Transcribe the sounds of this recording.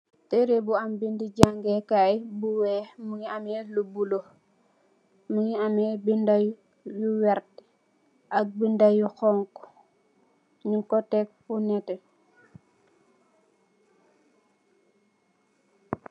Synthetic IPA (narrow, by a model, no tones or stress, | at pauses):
teɾebuambindiɟaŋɡɛkajbuwɛmuŋiamɛlubulo | muŋiamɛbindaj | juwɛɾt | ʔak̚bindajuxɔŋk | ɲikɔtɛk̚funɛtɛ